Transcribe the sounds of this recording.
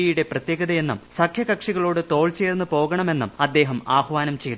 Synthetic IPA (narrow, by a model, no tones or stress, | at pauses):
ijuɽe̞prɐt̪jeːɡɐðɐjenːɐmsɐkʰjɐkɐkʂiɣɐɭoːɽɨt̪o̞ːɭt͡ɕe̞ːrnːɨpo̞ːɣɐɳɐme̞nːɐmɐd̪ːe̞ːɦɐmaːhʋaːnɐmt͡ɕejt̪